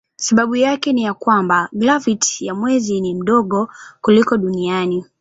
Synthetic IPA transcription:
saɓaɓujakɛnijakwambaɡlavitjamwɛzinim̩ɗɔɠɔkulikɔɗuniani

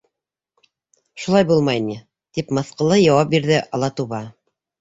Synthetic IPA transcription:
ʃulˠɑjbulˠmɑjni | t̪ipmɤ̆θqɤ̆lˠɤjɑwɑp̚biɾðɘʔɑlˠɑt̪uβɑ

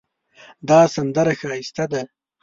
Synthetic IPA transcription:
d̪ɑsand̪aɾaxɑist̪ad̪a

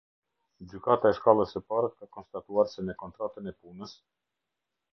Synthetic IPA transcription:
d͡ʑykat̪aɛʃkalˠəsəpaɾakakɔnst̪at̪uaɾsɛmɛkɔnt̪ɾat̪ənɛpunəs

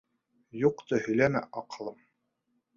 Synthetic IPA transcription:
juqt̪ɤhɵ̆jlæmæ̰ʔɑqɤ̆lˠɤm

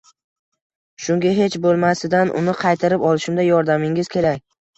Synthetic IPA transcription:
ʃʊŋɡʲaɦe̞t͡ʃbolˠmasɪd̪anʔʊ̰nɪqʰɑjt̪ʰaɾɪpɒlˠɪʃɪmd̪ajɒɾd̪amɪŋɪz̥kʲe̞ɾakʲ

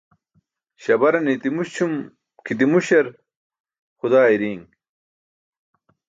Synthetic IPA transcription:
ɕɐbɐɾɐnit̪imuɕt͡ɕʰum | kit̪̬imuɕɐɾ | xud̪aːiɾiːŋ

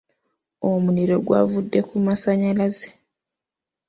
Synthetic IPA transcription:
omuniɾo̞ɡwa̰vudːe̞kumasaɲalaze̥

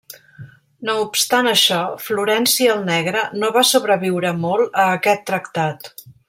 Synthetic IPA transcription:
noupst̪anəʃɔfluɾɛnsiːlˠnɛɣɾənoβasuβɾəβiwɾəmolˠəːkɛt̪ːɾəkt̪at̪

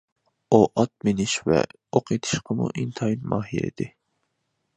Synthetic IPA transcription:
oʔɑt̪̚mɪnɪʃvɛ̰ | oqʰet̪ʰɨ̥ʃqʰəmṵʔint̪ʰɑjnmɑːɦilḛd̪̥ɪ

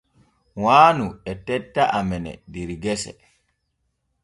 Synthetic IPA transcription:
waːnuɛtɛtːaʔamɛnɛ̰diɾiɡɛsɛ̰

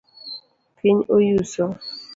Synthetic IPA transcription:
pʰɪɲojusɔ

